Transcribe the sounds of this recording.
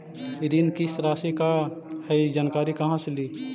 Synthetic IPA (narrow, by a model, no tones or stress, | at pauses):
ɾinkisɾaːsikahəid͡ʒankaːɾikɐɦãsliː